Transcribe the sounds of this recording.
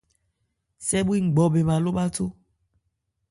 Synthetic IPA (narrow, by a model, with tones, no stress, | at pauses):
sɛ˦bu˦i˦ŋ͡m̩˨ɡ͡bɔ˨be˨ma˨lo˦ɓa˦to˦